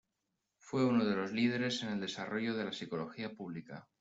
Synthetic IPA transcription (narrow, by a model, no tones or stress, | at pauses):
fwe̞uno̞ð̞e̞lo̞zlið̞e̞ɾe̞se̞ne̞ld̪e̞saro̞ʝo̞ðe̞lasiko̞lo̞xiapuβ̞lika̰